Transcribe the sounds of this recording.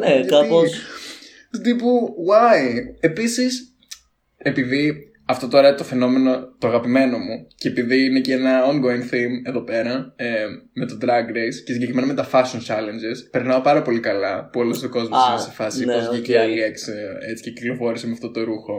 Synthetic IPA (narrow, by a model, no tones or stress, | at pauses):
nekaos | t̪ut̪ipuwɐie̞pisis | e̞piði | ɐft̪o̞t̪o̞ɾɐt̪o̞fe̞no̞me̞no̞t̪oɐɣɐpime̞no̞muce̞piðiine̞ceenɐoŋɡo̞inθime̞ðo̞pe̞ɾɐ | me̞t̪o̞d̪ɾɐɡɾescesiɲɟekɾime̞nɐme̞t̪ɐfɐsont͡ʃɐle̞nd͡ʒespe̞ɾnɐo̞pɐɾɐpo̞likɐlɐpuolost̪oko̞zmosinɐse̥fɐsiozʝiceɐlie̞kset͡si̥ceci̥klo̞fo̞ɾisimeɐft̪o̞t̪o̞ɾuxo̞